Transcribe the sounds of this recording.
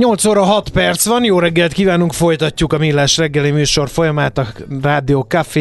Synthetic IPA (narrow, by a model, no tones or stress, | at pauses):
ɲo̞lt̪soːɾɒɦɒt̪pɛrt̪sʋɒnjoːɾɛɡːɛlt̪kiːvaːnuŋkfo̞jt̪ɒcːukɒmilːaːʃrɛɡːɛlimyːʃo̞rfo̞jɒmaːt̪ɒraːd̪ioːkafeː